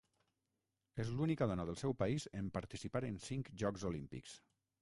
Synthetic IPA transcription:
ezlunikəðɔnəðəlˠsɛwpəizəmpəɾt̪isipaɾənsiŋkʒɔkzolimpḭks

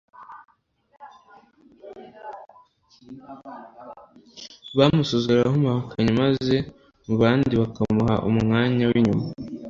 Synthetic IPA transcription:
βamusozoɾahumahukaɲemaze̞ | muβaːndiβakamuha̰ʔumŋŋaːɲawiɲuma

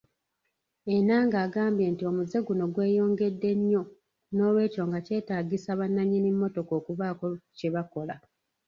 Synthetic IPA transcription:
e̞naːŋɡaːɡaːmbje̞ːntio̞muze̞ɡuno̞ɡwe̞ːjo̞ːŋɡe̞dːe̞ɲːo̞ | no̞ːlwe̞ːco̞ŋɡace̞ːtaːɡisaβanːaɲinimːo̞to̞ko̞ːkuβaːkoceβako̞la

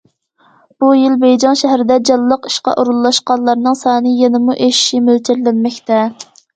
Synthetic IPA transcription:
b̥ujilbejd͡ʒɑnʃæɦɾɪd̪ɛd͡ʒɑlˠːəqi̥ʃqɑ̰ʔuɾulˠːɑʃqɑnlˠːɑɾnɨŋsɑːnɨjenɪmuʔeʃi̥ʃimølt͡ʃʰɛɾlɛnmɛkʲt̪ʰɛ

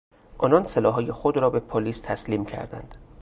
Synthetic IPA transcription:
ʔɒ̰ːnɒnselɒːɦɒːje̞xod̪ɾɒːbe̞pʰoliːst̪ʰæsliːmcʰæ̰ɾd̪æ̰nd̪̥

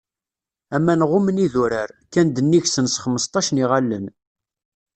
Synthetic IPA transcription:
æmːænʁʊməniðuɾəɾkænd̪ənːiçsənsχmːəst̪ˤɑʃəniʁalːən

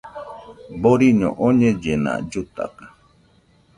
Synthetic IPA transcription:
boɾiɲõ̰ʔoɲẽd͡ʒenã̰d͡ʒut̪a̰kḁ

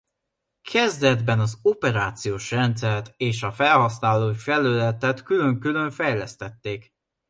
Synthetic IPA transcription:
kʰɛzd̪ɛd̪bɛnɒzo̞pɛɾaːt̪sijoːʃrɛnt̪sɛrt̪eːʃɒfɛlhɒsnaːloːfɛlølɛt̪ɛt̪kylø̞ŋkylø̞ɱfɛjlɛst̪ɛt̪ːeːk

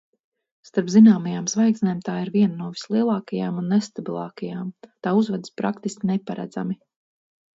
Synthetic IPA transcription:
st̪aɾpzinaːmajaːmsvajksnʲeːmt̪aːiɾviɛnanuɔvi̥slˠiɛlˠɑːkajaːmunːest̪abilˠɑ̰ːkajaːmt̪aːuzvad̪i̥spɾʔa̰kt̪iskʲinɛpaɾa̰d̪za̰mi

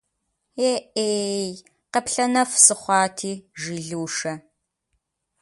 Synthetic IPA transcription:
eʔeːj | qəpɬɐnɐfsɨχʷɑːtʰiːʒiːɮuːʂɐ

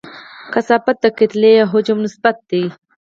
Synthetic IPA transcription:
kasɑːpat̪̚d̪əkɪt̪lejaɦʊd͡ʒʊmnɪsbat̪̚d̪i

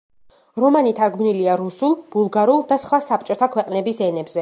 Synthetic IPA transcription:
ɾɔmanit̪ʰaɾɡmniliaɾusulˠb̥ulˠɡaɾulˠd̪asχwasap̚t͡ʃʼɔt̪ʰakʰwɛqʼnɛbisɛnɛbzɛ

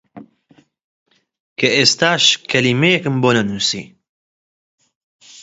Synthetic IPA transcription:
kʰɐʔeːst̪aːʃkʰɐlimejekɨmboːnɐnuːsḭː

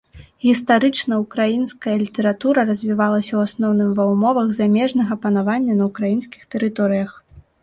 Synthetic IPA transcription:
ɣʲis̬t̪aɾɨt͡ʂnɐukɾajinskɐjɐlʲit̪ɛɾat̪uɾɐrɐzʲvʲivalˠɐsʲɐwasnɔwnɨmvɐwmɔvɐɣzamʲɛʐnɐɣɐːpɐnavanʲːɐnɐukɾajinskʲi̥xt̪ɛɾɨt̪ɔɾɨjɐx

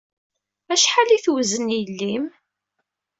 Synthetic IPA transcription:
æʃħaliθwzənjəlːim

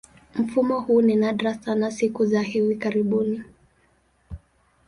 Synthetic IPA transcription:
m̩fumɔhuninaɗɾasanasikuzahivikaɾiɓuni

